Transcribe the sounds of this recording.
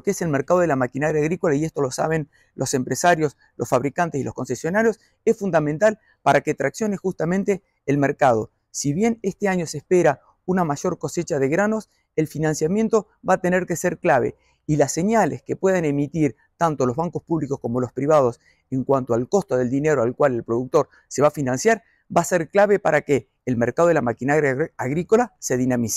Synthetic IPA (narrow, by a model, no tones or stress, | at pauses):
keese̞lmeɾkað̞o̞ð̞elamakinaɾjaːɣɾiko̞laie̞st̪o̞lo̞sa̰β̞e̞n | lʔo̞se̞mpɾesaɾjo̞s | lʔosfaβɾikant̪esilo̞hko̞nse̞sjo̞naɾjo̞s | esfund̪ament̪al | paɾaket̪ɾaksjo̞ne̞xust̪amẽnt̪e̞ː | lme̞ɾkað̞o̞̰ | siβje̞nest̪eaɲo̞sehspeɾa | unamaʒo̞ɾko̞se̞t͡ʃaðe̞ɣɾano̞s | elfinãnsjamje̞nt̪o̞ | βat̪e̞neɾke̞seɾklaβ̞ḛ | ilase̞ɲalḛske̞pwe̞ð̞ene̞mit̪iɾ | t̪ant̪o̞lo̞zβaŋko̞spuβliko̞sko̞mo̞lo̞spɾiβað̞os | eŋkwant̪oalko̞st̪oðe̞ld̪ine̞ɾoalkwalelpɾo̞ðuk̚t̪o̞ɾ | se̞βafinãnsjaɾ | baseɾklaβe̞paɾakeː | lmeɾkað̞o̞ðelamakinaɣɾjaaɣɾiko̞lase̞ðinamise̥